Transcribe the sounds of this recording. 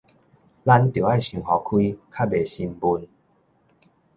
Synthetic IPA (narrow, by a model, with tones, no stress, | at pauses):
la˦nt̪o˨˩˦a˥˨jɕũ˨˩ŋhɔ˨kʰwi˦kʰa˦˥˩be˨˩ɕi˧mbu˧n